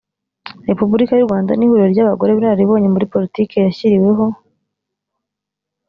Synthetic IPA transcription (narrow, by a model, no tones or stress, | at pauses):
ɾe̞pubuɾikajuɾɡwaːnda̰nihuɾoɾɟaːβaɡo̞ɾe̞βiɾaɾiβo̞ːɲe̞muɾipo̞ɾitiːke̞jaçiɾiwe̞ɦo̞